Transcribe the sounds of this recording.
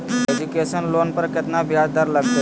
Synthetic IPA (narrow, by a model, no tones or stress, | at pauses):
ed͡ʒukesənlonpəɾkɪt̪nabjad͡ʒd̪əɾləɡd̪ə